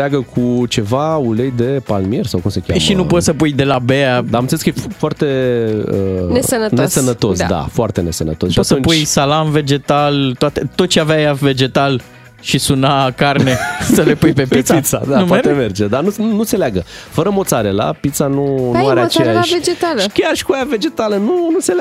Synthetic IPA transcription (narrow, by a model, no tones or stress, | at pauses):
aɡəkʰut͡ʃe̞vaulejd̪e̞palmiersawkumsekʲa̰ʃinupo̞t̪səpujd̪e̞labead̪amɨnseleskəjefoart̪eənesənətnesənət̪o̞sd̪a̰foart̪e̞ne̞sənə̰t̪osʃpoat̪səunput͡ʃjsalanve̞d͡ʒe̞t̪alt̪oat̪et̪ot̪̚t͡ʃeaveajave̞d͡ʒe̞t̪al | ʃisunakarnne̞səle̞pujpe̞pit̪sit̪sad̪anumpeɾt̪emerd͡ʒed̪anunuseleaɡəfəɾəmo̞t̪saɾela̰pit̪sanunuaɾeaot͡ʃeaʃved͡ʒet̪aləkʲaʃi̥kuajave̞d͡ʒe̞t̪alənunusela